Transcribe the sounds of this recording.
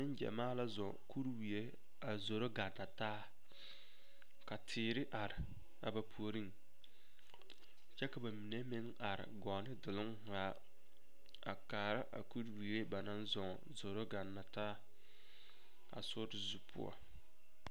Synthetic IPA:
ɪ˦nd͡ʒɛ̰˨maː˦la˦zɔ˨ku˦ɾwi˨e˦ | a˨zo˨ɾo˦ɡa˨nːa˨taː˦ | ka˨tʰɪː˨ɾɪ˦ʔa˨ɾɪ˨ | a̰˨ba˨pʰu˨o˨ɾi˦ŋ | t͡ʃɛ˦ka˨ba˨mi˨ne˦mɪ˦ŋ | a˨ɾɪ̰˨ɡɔː˨nɪ˦dɪ˨lɪ˦ŋ | ha˨ | a̰˨kaː˨ɾa˦ʔa̰˨ku˦ɾwi˨e˦ba˨na˦nzɔ˨ŋ | zo˨ɾo˦ɡa˨nːa˨taː˦ | a̰˨sʊ˦ɾɪ˨zu˨pʰʊ̰˦ɔ̰˨

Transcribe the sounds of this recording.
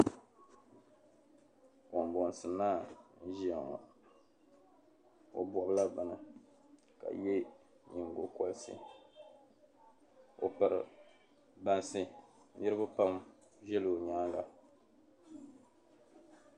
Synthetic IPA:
kɔ˨m˨bɔ˨n˨sɨ˨na˦n̩˦ʒi˦a˨ŋ˨a̰˨ | o˨bɔ˨bla˦ba˨nɨ˨ | ka̰˨jɛ˦ | ɲi˨ŋ˨ɡo˨kɔ˦lsḭ˦ | o̰˨pɨ˨ɾɨ˨ | ba˦nsɨ˦ɪ˦ɾɨ˦bʊ˦pa˦m | ʒɛ˦lo˨ɲa˦ŋɡa˨

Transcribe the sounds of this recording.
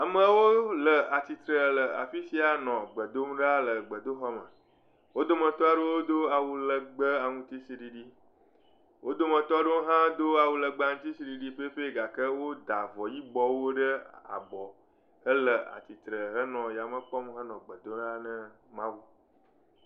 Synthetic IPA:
a˨mə̃˦wo˦lə˨a˨t̪i˨t̪ɾə˨lə˨a̰˨fi˦si˦a˨nɔ̃˨ɡ͡bə˨d̪o˦m˦ɖa˦lə˨ɡ͡bə˨d̪o˦xɔ˦mə̰̃˨ | wo˦d̪o˦mə̃˨t̪ɔ˦a˦ɖo˦wo˦d̪o˦a˨wu˦lə˨ɡ͡bə˦a˨ŋũ˦t̪i˦si˦ɖi˨ɖi˦ | wʔo˦d̪o˦mə̃˨t̪ɔ˦ɖo˦ɦã˦d̪o˦a˨wu˨lə˨ɡ͡bə˦a˦ŋũ˦t̪i˦si˦ɖi˨ɖi˦ɸe˦ɸe˦ɡa˨kə˦wo˦d̪a˨vɔ˨ji˦ɡ͡bɔ˦wo˦ɖə˦a̰˨bɔ˨ | ə˦lə˨a̰˨t̪i˨t̪ɾə˨ɦə˦nɔ̃˨ja˨mə̃˦k͡pɔ˦m˦ɦə˦nɔ̃˨ɡ͡bə˨d̪o˦ɖa˦nə̃˦ | mã˦wu˦

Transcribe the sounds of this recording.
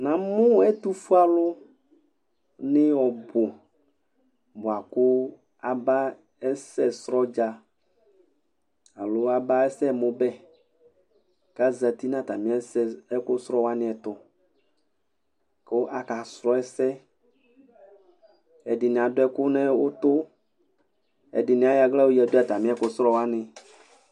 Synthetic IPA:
nã˨mʊ̃˦ɛ˦t̪u˦fu˦a˦lʊ˦ | nɪ̃˦wɔ˨bʊ˨ | bʊ˨a˨kʊ˦ | a˨ba˦ | ɛ˦sɛ˦sɾɔ˦d͡ʒa˨ | a˨lo˦a˦ba˦ɛ˦sɛ˦˨mõ˨bɛ˦ | ka˦zɛ˨t̪i˦nã˦˨t̪a˨mĩ˦ɛ˦sɛ˦ɛ˦kʊ˦sɾɔ˦wa˦nɪ̃˨ɛ˨t̪ʊ˨ | ke˦o˦ʔa˨ka˨sɾɔ˦ɛ˦sɛ˦ | ɛ˨ɖɪ˨nĩ˨a˨dʊ˦ɛ˦kʊ˦nɛ̃˦wo˦t̪ʊ˦ | ɛ̰˨dɪ˨nĩ˨˦a˦ja˨ɡlɛ˦wo˦jɛ˨do˦a˨t̪a˨mĩ˦ɛ˦kʊ˦sɾɔ˦wa˦nɪ̃˨

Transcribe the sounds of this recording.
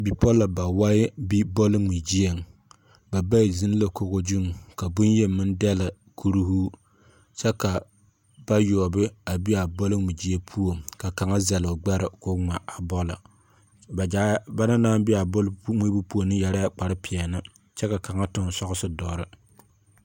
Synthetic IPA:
bi˨pɔ˦la˨ba˨wa˦bi˦bɔ˦lɪ˦ŋi˨d͡ʒi˦e˨ŋ | ba˨ba˦ɪ˨zi˦n˦la˨ko˦ɣo˦d͡ʒu˦ŋ˨ka˨bʊ˦nje˦mɨ˦n˦dɛ˦la˨ | kʰu˦ɾu˦hu˦ | t͡ʃɛ˦ka˨ | b̥a˦jɔː˨bɨ˦a˨bi˦a˨bɔ˦lɪ˦ŋi˨d͡ʒi˦e˦pʰu˦o˨ka˨ka˨ŋa˦za˨lʊ˨ɡ͡ba˦ɾɪ̰˨kʊ˦ŋ͡ma˨ʔa˨bɔ˦la̰˨ | ba˨d͡ʒa˨ba˦na˦naː˦bi˦a˨bɔ˦lŋ͡mi˦bɨ˦pu˦o˨nɨ˦jɛ˨ɾa˦k͡pa˨ɾɨ˦pʰɪ˨ɛ˨nɨ˦ | t͡ʃɛ˦ka˨ka˨ŋa˦tʊ˦n˨˦sɔ˦ɣʊ˦sɨ˦dɔː˨ɾɨ˨

